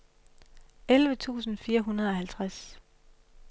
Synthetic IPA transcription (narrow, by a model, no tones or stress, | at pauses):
elʋət͡sʰṵːsn̩fiːɐɦunɐðˠɒ̽hælt͡sʰʁas